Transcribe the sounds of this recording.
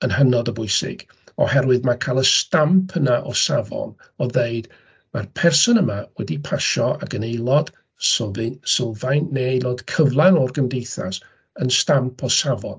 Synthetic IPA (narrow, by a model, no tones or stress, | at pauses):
ənhənɔdəbʊɨsɪ̰ɡ̥ | ɔ̰hɛɾwɨðmakʰalˠəstampʰənaʔɔsavɔ̰n | ɔðeɨd | marpʰɛrsɔnəmawɛdipʰaʃɔa̰ɡənejlˠɔd̥ | soðɨnsəlˠvajnːeejlˠɔd̥kʰəvlˠanɔrɡəmdejθa̰s | ənstampʰɔsavɔn